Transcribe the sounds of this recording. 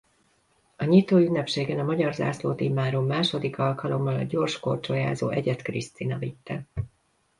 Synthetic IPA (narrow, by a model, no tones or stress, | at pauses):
ɒɲit̪oːydnːɛpʃeːɡɛnɒmɒɟɒrza̰ːsloːt̪eːmaːɾoːlmaːʃo̞d̪ikɒlkɒlo̞mːɒlɒ̰ɟo̞rʃko̞rt͡ʃoja̰ːzoːʔɛɟɛt̪krist̪inɒvit̪ːɛ